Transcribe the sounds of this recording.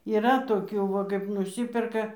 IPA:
iːˈrɐ toːˈkʲuː ʋɐ ˈkɐɪp nʊˈsʲiːpʲɛrkɐ

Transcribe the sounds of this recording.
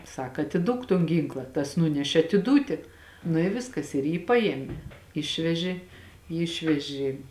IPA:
ˈsɐk ɐtʲɪˈduɔk toːn ˈɡʲiːŋklˠɐ tɐs ˈnʊnʲɛʃʲeː ɐtʲɪˈduːtʲɪ nʊ ɪ ˈʋʲɪskɐs ɪr ˈjiː ˈpɐeːmʲɛ ˈɪʃʲʋʲɛʒʲeː ˈjiː ˈɪʃʲʋʲɛʒʲeː

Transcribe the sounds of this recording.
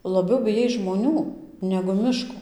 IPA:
lˠɐˈbʲɛʊ bʲɪˈjɛɪs ʒmoːˈnʲuː nʲɛɡʊ ˈmʲɪʃkoː

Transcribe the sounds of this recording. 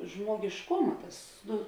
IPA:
ʒmoːɡʲɪʃˈkʊmɐ ˈtɐs ˈnʊ

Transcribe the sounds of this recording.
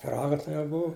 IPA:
pʲɪˈrɑːɡɐ ˈtɐɪ jɛʊ ˈbʊʋʊ

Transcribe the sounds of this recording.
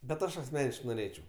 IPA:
bʲɛt ˈɐʃ ɐsʲˈmʲæːnʲɪʃkɐɪ noːˈrʲeːt͡ʃʲɛʊ

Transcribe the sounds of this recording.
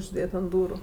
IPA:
ʊʒʲˈdʲeːt ɐnt ˈduːrʊ

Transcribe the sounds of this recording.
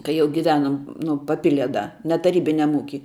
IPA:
kɐɪ ˈjɛʊ ɡʲɪˈʋʲæːnoːm ˈnʊ pɐˈpʲɪlʲiɛ ˈdɐ nʲɛ tɐˈrʲiːbʲɪnʲɛm ˈuːkʲiː

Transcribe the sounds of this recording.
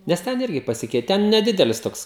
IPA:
nʲɛs ˈtʲɛn ˈɪrʲɡʲɪ pɐˈsʲɪkʲɛɪtʲɪ ˈtʲɛn nʲɛˈdʲɪdʲɛlʲɪs ˈtoːks

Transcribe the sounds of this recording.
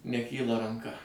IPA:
nʲɛˈkʲiːlˠɐ rɐŋˈkɐ

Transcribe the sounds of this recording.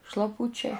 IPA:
ʃlˠɐˈpʊt͡ʃʲɛɪ

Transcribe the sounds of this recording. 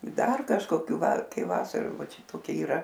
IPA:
ˈdɐr kɐʃkoːˈkʲuː ˈʋɐr ˈkɐɪ ˈʋɑːsɐrʊ ˈʋɐ ˈt͡ʃʲɛ toːˈkʲɪ iːˈrɐ

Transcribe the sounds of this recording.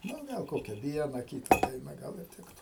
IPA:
ˈnʊ ˈɡɐlˠ ˈkoːkʲɛ ˈʋʲiɛnɐ ˈkʲiːtɐ ˈdɐɪnɐ ˈɡɐlˠ ɪr ˈtʲɪktʊ

